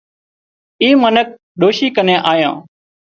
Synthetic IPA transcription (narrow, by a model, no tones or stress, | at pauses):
iːmənək̚ | ɗoːʃiːkənẽːʔaːjã̰ː